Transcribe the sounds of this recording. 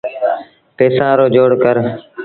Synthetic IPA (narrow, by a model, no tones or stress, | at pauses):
peːsãːɾoːd͡ʒoːɽkəɾ